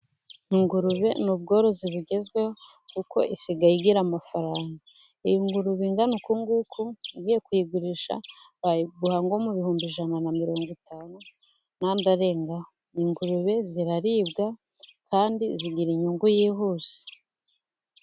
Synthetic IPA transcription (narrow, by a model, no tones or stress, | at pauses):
iŋɡuɾuβe̞nubɡo̞ːɾo̞ziβuɟe̞zɡweho | kuko̞̰ʔisiɡajiɡiɾamafaɾaːŋɡa | ijiŋɡuɾuβiŋɡanukuŋɡukʰuiɡiːje̞kujiɡuɾiʃa̰ | βajiɡuhaŋɡo̞muβihuːmbiʒananamiɾo̞ːŋɡitʰaːnu | naːndaɾe̞ːŋɡao | iŋɡuɾuβe̞ziɾaɾiːbɡa | kʰaːndiziɡiɾiɲuŋɡujiːɦuːz̥e̥